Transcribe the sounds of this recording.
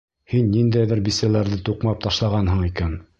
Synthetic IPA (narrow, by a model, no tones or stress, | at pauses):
hinːind̪æjðɘɾbisælæɾðɘt̪uqmɑp̚t̪ɑʃlˠɑʁɑnɦɤ̆ɴikæn